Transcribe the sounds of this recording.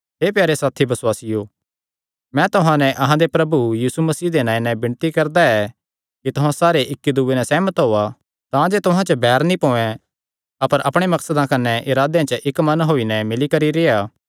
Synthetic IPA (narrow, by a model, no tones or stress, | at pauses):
ɦeːpjaːɾesaːt̪ʰibɐswaːsijo | mɛ̃t̪ʊɦãnɛʔɐɦãd̪epɾɐbujiːsumɐsiːd̪enãːĩnɛbɪ̃nt̪ikɐɾd̪aɛ | kit̪ʊɦãsaːɾeʔɪkːid̪uːenɛsɛːmət̪ɦoːa | t̪ãd͡ʒet̪ʊɦãt͡ʃəbʱɛːɾnĩpõːɛ̃ | ɐpəɾʔɐpɽ̃emɐksəd̪ãkɐnːɛʔɪɾaːd̪eãt͡ʃəʔɪkmɐnɦoːinɛmɪlikɐɾiɾeːaː